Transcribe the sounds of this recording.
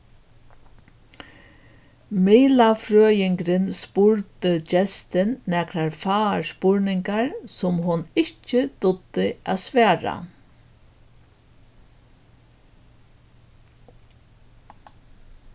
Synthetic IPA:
miːlafɾøːjɪŋkɾɪnspʊɹt̪ɪt͡ʃɛst̪ɪnːɛkɾaɾfaːɹspʊɹnɪŋkaɹsʊmɦʊnɪht͡ʃɪt̪ʊd̪ɪa̰ːðsʋɛːɾa̰

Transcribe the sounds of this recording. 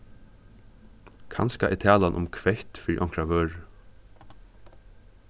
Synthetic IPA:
kʰa̰nskaʔɛ̰t̪ʰæːlanʔʊ̰mkʰʋɛht̪fɪɾḭʔɔŋ̥kɾaʋœːɹ

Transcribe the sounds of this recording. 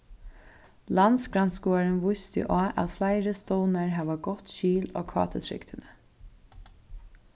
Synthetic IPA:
lansɡɾanskuːaɹənʋʊjst̪ɪ̰ʔaːʔa̰ðflaɪɾəst̪ɔːnaɹɦɛːʋaɡɔt̪ʃiːlo̰ːkʰɑ̰ːt̪ʰət̪ʰɾɪ̰kt̪ʰɪnə

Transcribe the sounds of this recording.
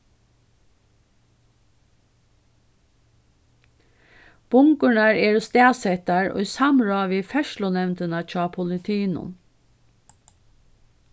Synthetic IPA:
b̥ʊŋkʉɳɑɹeːɹost̪eːsɛt̪ɑɹo̰ːiːsɑmɹɑːʋiːfɛʃlʊnɛʋnt̪ənɑt͡ʃʰɑːpʰʊlɪt̪ʰiːnʊ̰n

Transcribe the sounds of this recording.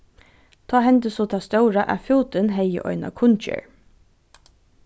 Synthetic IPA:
t̪ʰɑːɦɛnt̪əsɔt̪ʰast̪œwɾaʔæfuːt̪ɪnɦɛjə̰ʔɔ̰ʏna̰kʰʊnt͡ʃə̰ɹ

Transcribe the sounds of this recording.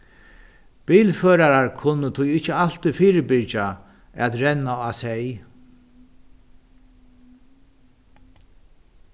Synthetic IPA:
b̥iːlføːɾaɾaɹkʰʊnːət̪ʰʊjɪht͡ʃːəal̥t̪ifiːɾɪbɪɾt͡ʃa | at̪ɾɛnːaasɛj

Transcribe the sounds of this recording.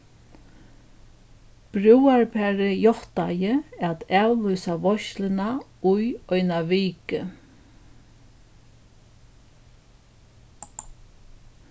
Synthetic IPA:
b̥ɾuwaɹpʰɛːɾɪjɔht̪ajɪat̪ɛːwlʏjsaʋɔʃlɪnaʊjɔjnaʋiːkɪ

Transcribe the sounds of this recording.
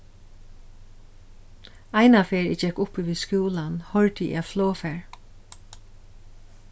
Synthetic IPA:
ajnafeːɹɪ̰d͡ʒɛkʊpiʋiːðskjuːlanhɔɹt̪ɪḭafloːfɛːɹ

